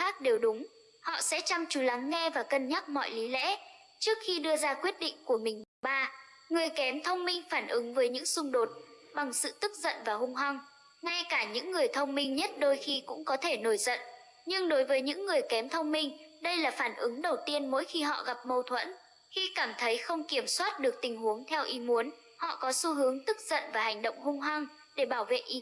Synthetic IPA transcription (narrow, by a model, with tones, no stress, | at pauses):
xaː˦˥k̚ɗe˨˩wɗʊ˨˦ŋ͡m | hɔ̰˧˨sɛ̰˧˥t͡ɕa˧ŋt͡ɕu˨˦la˨˦ŋːɛ˧vaː˨˩kə˧˩nɲa˦˥t̚mɔ̰˧˨jli˨˦lɛ̰˧˥ | t͡ɕɨ˦˥ək̚xi˧ɗɨ˧əzaː˧kwi˦˥ət̚ɗḭ̈˧˨ŋ̟ku˧˩əmï˨˩ŋ̟ɗɓaː˧ | ŋɨ˨˩əjkɛ˨˦mt̪ʰə˧wŋ͡mmï˧ŋ̟faː˧˩nʔɨ˨˦ŋvəː˨˦jɲɨ̰˧˥ŋsʊ˧ŋ͡mɗo˨˩t̚ɓa˨˩ŋsɨ̰˧˨t̪ɨ˦˥k̚zə̰˧˨nvaː˨˩hʊ˧ŋ͡mɦwa˧ŋ | ŋa˧jkaː˧˩ɲɨ̰˧˥ŋːɨ˨˩əjt̪ʰə˧wŋ͡mmï˧ŋ̟ɲə˦˥t̚ɗo˧jxi˧kʊ̰˧˥ŋ͡mkɔ˨˦t̪ʰe˧˩no˧˩jzə̰˧˨n | ɲɨ˧ŋɗo˨˦jvəː˨˦jɲɨ̰˧˥ŋːɨ˨˩əjkɛ˨˦mt̪ʰə˧wŋ͡mmï˧ŋ̟ɗə˧jlaː˨˩faː˧˩nʔɨ˨˦ŋɗə˨˩wt̪i˧ənmo̰˧˥jxi˧ɦɔ̰˧˨ɣa˨˩p̚mə˧wt̪ʰwə̰˧˥n | xi˧kaː˧˩mt̪ʰə˨˦jxə˧wŋ͡mki˧˩əmswaː˦˥t̚ɗɨ˨˩ək̚t̪ï˨˩ŋ̟hu˨˦əŋt̪ʰɛ˧wʔi˨˦mu˨˦ən | hɔ̰˧˨kɔ˨˦su˧˦ɦɨ˨˦əŋt̪ɨ˦˥k̚zə̰˧˨nvaː˨˩ha˨˩jŋ̟ɗo̰˧˨wŋ͡mhʊ˧ŋ͡mɦwa˧ŋ | ɗe˧˩ɓaː˧˩wvḛ˧˨ʔi˨˦